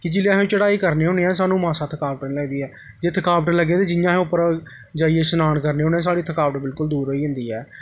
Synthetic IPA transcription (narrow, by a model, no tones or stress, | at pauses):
kɪd͡ʒɪlãɦt͡ʃəɽaːiːkəɾneːɦoːneːɛ̃ːs̬aːnũːmãːsãːt̪ʰəkaːʋəʈniləɡd̪iːɛː | d͡ʒeːt̪ʰəkaːʋəʈləɡeːd̪eːd͡ʒɪjãːɦẽʊpːəɾ | d͡ʒaːieːsənaːɳkəɾneːɦoːneɛ̃ːs̬aːɽiːt̪ʰəkaːʋəʈbɪlkʊld̪uːɾɦoːiːɦʊ̃nd̪iːɛː